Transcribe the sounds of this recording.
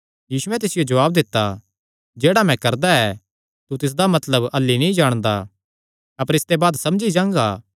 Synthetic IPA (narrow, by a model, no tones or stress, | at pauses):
jiːsuɛ̃t̪̬ɪsɪjod͡ʒɐʋaːbd̪ɪt̪ːa | d͡ʒeːɽamɛ̃kɐɾd̪aɛ | t̪ut̪ɪs̬d̪amɐt̪ləbɐlːinɐĩd͡ʒaːɽ̃d̪a̰ | ɐpəɾɪst̪ebaːd̪sɐmd͡ʒid͡ʒãːŋɡaː